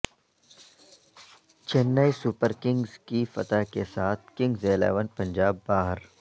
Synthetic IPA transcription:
t͡ʃenːaːisʊpəɾkɪ̃ŋɡz̥kifɐ̰t̪akesaːt̪̚ʰkɪ̃ŋɡzeːla̰ːʋənpɐ̃nd͡ʒaːbːaːɦəɾ

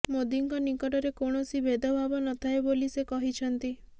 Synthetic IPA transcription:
mod̪iŋkɔnikɔʈɔɾekoɳ̃ɔsibed̪ʱɔbʱabɔnɔt̪ʰaebolisekɔɦit͡ʃʰɔnt̪i

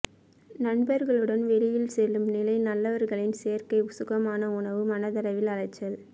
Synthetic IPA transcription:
nɐɳbɐɾɣɐɭɯɽɐnʋɛlɪjɪlsɛlːɯmnɪlɐɪnɐlːɐʋɐɾɣɐɭɪnsejɐɾkɐɪʊsʊɣɐmaːnɐʊɳɐʋɯmɐnɐðɐlɐʋɪlɐɻɐɪt͡ʃːɐl

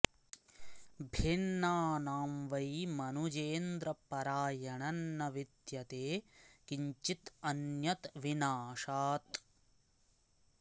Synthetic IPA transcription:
bʱinːaːnaːmʋɐjmɐnud͡ʒeːnd̪ɾɐpɐɾaːjɐɳɐnːɐʋid̪jɐt̪eːkiɲt͡ʃit̪ɐnjɐt̪ʋinaːʂaːt̪

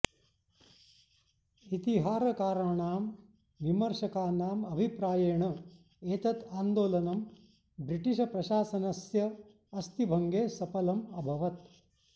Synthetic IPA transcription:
it̪iɦaːɾɐkaːɾɐɳaːm | ʋimɐɾʃɐkaːnaːmɐbʱipɾaːjeːɳɐ | eːt̪ɐt̪aːnd̪oːlɐnɐm | bɾiʈiʃɐpɾɐʃaːsɐnɐsjɐ | ɐst̪ibʱɐŋɡeːsɐpɐlɐmɐbʱɐʋɐt̪

